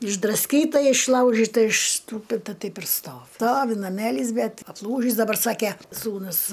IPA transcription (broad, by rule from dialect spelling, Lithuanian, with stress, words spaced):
ɪʒdrɐsʲˈkʲiːtɐ ɪʃˈlˠɐʊʒʲɪtɐ ɪʃsˈtuːpʲɪtɐ ˈtɐɪp ɪr ˈstoːʋʲɪ ˈstoːʋʲɪ nɐˈmʲæːlʲiːs ˈbʲɛt ɐpˈlˠuːʒʲiːs dɐˈbɐr ˈsɑːkʲɛ ˈsuːnʊs